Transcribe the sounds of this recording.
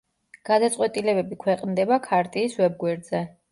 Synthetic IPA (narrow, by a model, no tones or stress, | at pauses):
ɡ̥ad̪at̪sʼwɛt̪ʼilɛbɛbikʰwɛqʼnd̪ɛbakʰaɾt̪ʼiːswɛb̚ɡwɛɾd̪zɛ